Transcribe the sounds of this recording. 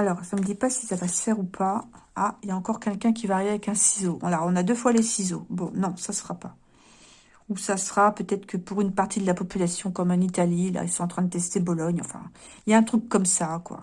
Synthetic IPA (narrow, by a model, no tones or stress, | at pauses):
alɔʁsaməd̪ipasi̥savasə̥fɛʁupʰaailjaɑ̃kɔʁkʲɛlkʲɛ̃kʲivaʁiveavɛkɛ̃sizoɔ̃laɔ̃nad̪øfwalesizobɔ̃nɔ̃sasə̥ʁapa | usasəʁapøt̪ɛt̪χə̥kəpuʁynpaʁt̪ʰid̪əlapɔpylasjɔ̃kɔmɛ̃nit̪alila̰ḭlsɔ̃ɑ̃t̪χɛ̃d̪ət̪ɛst̪ebɔlɔɲɑ̰̃fɛ̰̃ | iljaɛ̃t̪χykːɔmsakwa̰